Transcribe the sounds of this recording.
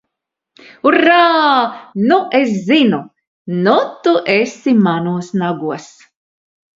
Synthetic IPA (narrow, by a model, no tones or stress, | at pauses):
uraːnuʔes̬zinu | nut̪uʔesimanuɔsnaɡuɔs